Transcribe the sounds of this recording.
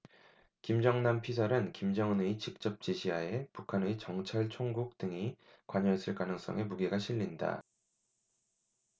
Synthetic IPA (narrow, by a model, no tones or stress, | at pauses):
kimd͡ʑʌŋnampʰisʰʌɾɯnkimd͡ʑʌŋɯneit͡ɕik̚t͡ɕ͈ʌp̚t͡ɕ͈iɕʰiɦae̞pukʰanɯit͡ɕʌŋt͡ɕʰaɭt͡ɕʰoŋɡuk̚t͈ɯŋi | kwaɲʌes͈ʰɯɭk͈anɯŋs͈ʌ̰ŋe̞muɡe̞ɡaɕʰiɭːinda̰